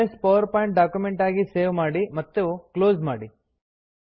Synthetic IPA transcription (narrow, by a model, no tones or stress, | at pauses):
ɐspɐʋɐɾpaːjɳʈ̚ɖaːkjumeɳʈaːɡiseːʋmaːɽimɐt̪ːeukloːzmaːɽi